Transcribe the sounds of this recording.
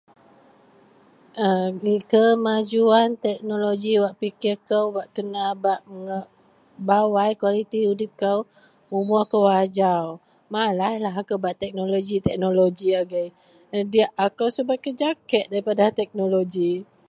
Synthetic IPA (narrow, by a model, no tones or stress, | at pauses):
ʔəikəmad͡ʒuant̪ɛk̚noloɡiwaʔpikɪrkəwwaʔkənabaʔməŋəʔ | bawajkwalit̪iudɪp̚kaw | umʊakəwad͡ʒaw | malahlaɦakowbaʔt̪ɛk̚noloɡit̪ɛk̚noloɡiaɡəj | ədiaʔakawsəbʊt̪̚kəd͡ʒakɛt̪̚daɾipadaht̪ɛk̚noloɡi